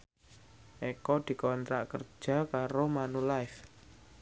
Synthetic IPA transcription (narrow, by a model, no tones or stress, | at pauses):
ʔɛkɔd̪̥i̤kɔnt̪ɾa̰ʔkərd͡ʒʒ̥a̤kaɾomanulaɪf